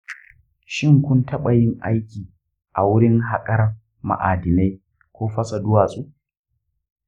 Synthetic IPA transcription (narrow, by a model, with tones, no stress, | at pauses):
ʃɪ˦ŋkʷʊ˦ntɐ˦ɓɐ˨jɪ˦ŋʔa̰˦jkʲiː˨ | ʔa˨wʊ˦ɽɪ˦ŋɦa˨kʼɐ˦r | ma̰˨ʔaː˨dɪ˨na˦j | kʷoː˦ɸɐ˦sa˨dʊ˦waː˨sʼuː˦